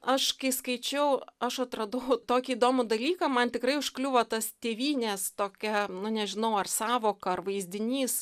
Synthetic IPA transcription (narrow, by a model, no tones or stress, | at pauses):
ɐʃkɐɪskɐɪt͡ʃʲɛʊɐʃɐt̪ɾɐd̪uʊt̪oːkʲiːd̪oːmʊd̪ɐlʲiːkɐmɐnt̪ʲɪkrɐɪʊʃklʲʊʋoːt̪ɐst̪ʲeːʋʲiːnʲeːst̪oːkʲɛnʊnʲɛʒʲɪnɐʊɐrsɑːʋoːkɐɐrʋɐɪzʲd̪ʲɪnʲiːs